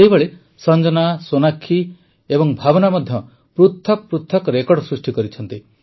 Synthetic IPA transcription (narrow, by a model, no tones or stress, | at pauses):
ejbeɭe | sɔnd͡ʒɔnasonakʰːi | ebɔŋbʱabɔnamɔd̪ʱjɔ | pɾut̪ʰːɔk̚pɾut̪ʰːɔkɔɾekɔɽsɾusʈikɔɾit͡ʃʰɔnt̪i